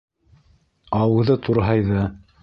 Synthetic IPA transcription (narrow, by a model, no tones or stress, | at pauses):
ɑwɤ̆ðɤt̪ʰuɾɦɑjðɤ